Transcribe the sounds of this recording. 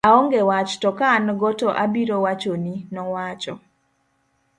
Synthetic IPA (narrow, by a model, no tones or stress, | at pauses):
aɔŋɡewat͡ʃtɔkanɡɔtɔʔabiɾowat͡ʃoninɔwat͡ʃɔ